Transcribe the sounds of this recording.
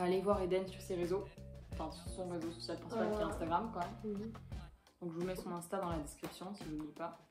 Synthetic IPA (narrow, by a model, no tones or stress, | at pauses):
alevwaʁed̪ɛnsyʁseʁezoɑ̃fɛ̃syʁsɔ̃ʁezosɔ̥sjalpɑ̃saseɛ̃st̪aɡʁamkwaɛm | d̪ɔ̃kʒəvumɛsɔ̃nɛ̃st̪ad̪ɑ̃lad̪ɛskχipsjɔ̃siʒunlipa